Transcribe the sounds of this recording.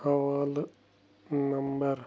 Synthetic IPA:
ɐʋaːl | nɐmbəɾ

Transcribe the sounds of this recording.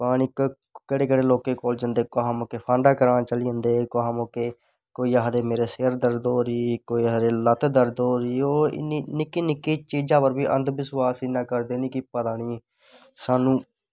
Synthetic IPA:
paːnɪk | kəɽeːkəɽeːloːkẽːkoːld͡ʒənd̪eːkoɦãːmoːkeːpʰãːɳɖaːkəɾãːt͡ʃəliːənd̪eːkoɦãːmoːkeː | koːiːaɦd̪eːmeːɾeːseːɾd̪əɾd̪oːɾiːkoːiːəɾeːlət̪d̪əɾd̪oːɾiːoːɪ̰niːnɪkːiːnɪkːiːt͡ʃiːd͡ʒãːpəɾbiːʔənd̪ʋɪswaːsinãːkəɾd̪eːnĩːkɪpət̪aːniː | saːnũː

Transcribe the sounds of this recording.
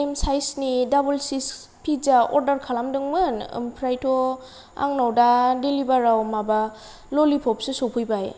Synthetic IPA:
emsajsnidabulsis | pʰid͡ʒaɔ̰ɾdaɾkʰalamdɯŋmɯnɯ̰mpʰɾajtʰɔ | a̰ŋnawdadelibaɾawmaba | lolipʰɔp̚sesopʰɯjbaj

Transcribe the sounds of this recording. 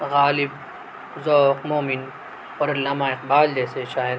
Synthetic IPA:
ɣaːlɪb̚ | zoːqmoːmin | oːɾɐlːaːmaːɪq̚baːld͡ʒeːseʃaːjɐd̪

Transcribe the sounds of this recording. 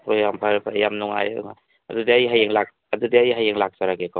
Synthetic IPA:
pɔjampʰaɾpʰajamnɔŋa̰j̰ɔ̰ŋa̰ | ɐ̰dudiajiɦajeŋlak̚ | ɐdudiajiɦajeŋlak̚saɾaɡekʰaw

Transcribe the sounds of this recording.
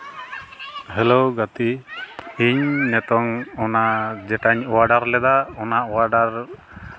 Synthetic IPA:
ɦɛloɡat̪i | iɲnɛt̪ɔŋɔnad͡ʒɛʈaɲɔwaɖaɾlɛd̪aɔnaʔɔwaɖaɾ

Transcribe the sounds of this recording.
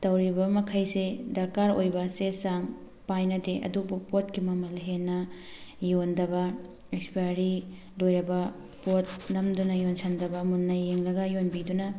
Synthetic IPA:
tɐwɾibɐmɐkʰɐjsedɐɾkaɾo̰jbɐsesaŋ | pajnɐdeʔɐ̰dubupotkimɐmɐlɦenːɐ | jondɐbɐ | ekspijaɾi | dojɾɐbɐ | pot̚nɐmdunɐjonsɐndɐbɐmunːɐjeŋlɐɡɐjonbidunɐ

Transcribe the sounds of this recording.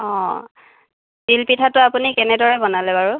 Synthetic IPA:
ɔ̃ | tilpitʰatʊapunikɛnɛdɔɹɛbɔnalɛbaɹu

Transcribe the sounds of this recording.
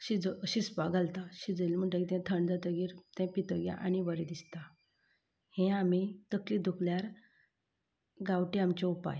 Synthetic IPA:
ɕid͡zəəɕispaɡʱalt̪aɕid͡zəlm̤əɳʈəkit̪ɛ̃t̪ʰəɳd͡zat̪əɡiːɾt̪ɛ̃pit̪əɡjã̰ʔaɽ̃ibəɾed̪ist̪a | hẽamit̪əklid̪ʱukljaɾ | ɡaʋʈiamt͡ɕɛ̃upa̰j

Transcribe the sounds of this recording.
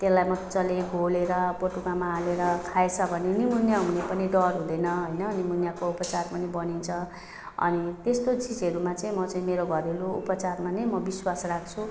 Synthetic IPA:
t̪elajmʌt͡sʌleɡʱoleɾʌpoʈukamaːleɾʌkʰaet͡sʰʌbʱʌnenimunjaɦunepʌniɖʌrɦũd̪ʌjnʌɦojnʌnimunjakoupʌt͡sarpʌnibʌnint͡sʰʌ | ʌ̰nit̪est̪ot͡sid͡zʌɾumat͡saĩmʌt͡saĩmeɾoɡʱʌɾeloṵpʌt͡sarmanʌjmʌbiswasrak̚ʰt͡sʰu

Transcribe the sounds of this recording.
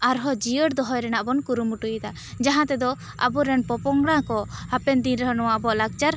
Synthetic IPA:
aɾɦɔd͡ʒiəɽd̪ɔɦɔjɾɛnaʔbɔnkuɾumuʈujt̪a | d͡ʒaɦãt̪ɛd̪ɔ | a̰buɾɛnpɔpɔŋɡɽãkɔhapɛnd̪inɾəɦɔnɔwabɔʔlaɡ̚t͡ʃaɾ

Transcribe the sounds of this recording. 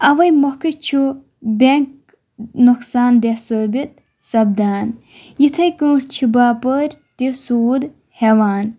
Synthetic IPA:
ɐʋɐjmohkɨt͡ʃʰu | bʲeŋk̚ | nuksaːnd̪esəːbit̪̚ | sɐb̚d̪aːn | jit̪ʰɐjkə̃ːʈt͡ʃʰibaːpəɾʲt̪iwsuːd̪ | heʋaːn

